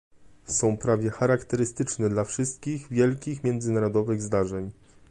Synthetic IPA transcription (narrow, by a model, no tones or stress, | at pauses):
sɔ̃w̃pɾavʲjɛxaɾakt̪ɛɾɘst̪ɘt͡ʂnɛd̪lafʂɘst̪̚kʲiɣvʲjɛlkʲixmʲɛnd̪zɘnaɾɔd̪ɔvɘɣzd̪aʐɛɲ